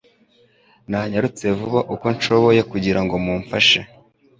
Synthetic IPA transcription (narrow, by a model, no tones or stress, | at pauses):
naɲaɾut͡se̞vuβaʔuko̞nʃo̞βo̞je̞kuɟiɾaŋɡo̞muːɱfaʃe